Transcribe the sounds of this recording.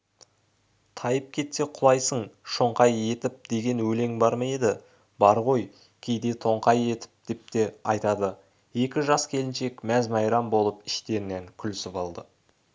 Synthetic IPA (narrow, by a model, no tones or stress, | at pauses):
t̪ʰɑjəp̚kʲʰe̞t̪se̞qʰʊlˠɑjsəɴʃoɴqɑje̞t̪ɪp̚d̪̥e̞ɡʲe̞nwɵle̞ŋbɑɾmɑje̞d̪ɪ | bɑɾʁo̞j | kʲʰe̞jd̪e̞t̪ʰo̞ɴqɑje̞t̪ɪ̥p̚d̪̥e̞p̚t̪e̞ɑjt̪ɑd̪ə | je̞kʲɪʒɑskʲʰe̞lɪnʃe̞kmæzmɑjɾɑmbo̞lˠəpɪ̥ʃt̪e̞ɾɪneŋkʲʰʏlɪsɪpɑlˠd̪ə